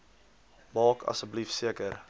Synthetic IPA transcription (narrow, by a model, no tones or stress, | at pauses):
mɑːkʰɐ̰səblifsiəkəɾ